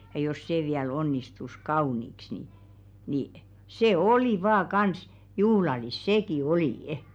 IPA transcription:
jɑ jos seˑ ʋiæl onːistus kɑuˑniks ni ni seˑ oliˑ ʋɑː kɑns juhlɑlis seˑki oliˑə̆

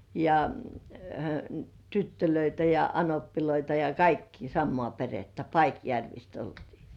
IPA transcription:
jɑ tytːøløitæ jɑ ɑnopːiloitɑ jɑ kɑikːiː sɑmːŏɑˑ peretːæ pɑikjærʋist oltiː

